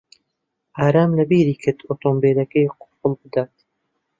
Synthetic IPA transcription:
ʔaːɾaːmlɐbiːɾiːkʰɨt̪ot̪ombeːlɐkejqʰʊ̥pɨlˠbɨd̪aːt̪

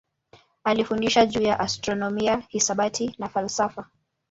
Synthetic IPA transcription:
alifundiʃaʄuːjaʔastɾɔnɔmiahisaɓatʰinafalsafa

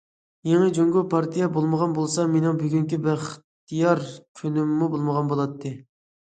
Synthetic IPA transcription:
jeŋəd͡ʒoŋɡʲupʰɑɾt̪ʰijɛbolˠməʁɑnbolˠsɑmenɪŋbyɡʲyŋkʲibɪχt̪ʰːijɑɾkʲʰønɪmːubolˠməʁɑnbolˠɑt̪ʰːɨ

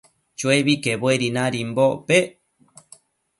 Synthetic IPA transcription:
t͡ʃweβikeβoeɾinãɾimbope

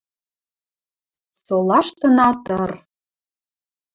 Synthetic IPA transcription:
solɑʃt̪ə̆nɑt̪ər

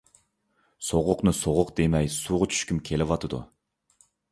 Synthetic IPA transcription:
soʁʊqnɨsoʁʊqd̪̥emɛjsuːʁʊt͡ʃʰy̥ʃkʲymkʲʰelɪvɑt̪ɨd̪ṵ

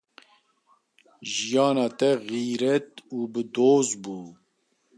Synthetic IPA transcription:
ʒijɑːnɑːt̪ɛɣiːɾɛt̪uːbɨd̪oːzbuː

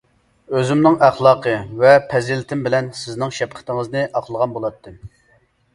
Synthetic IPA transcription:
øzɪmnɪŋæχlˠɑːqʰəvɛpʰɛzɪlɪt̪ʰɪmbɪlɛnsɪznɪŋʃɛpqʰə̥t̪ɪŋəznɨʔɑqʰlˠəʁɑnbolˠɑt̪ʰːɨ

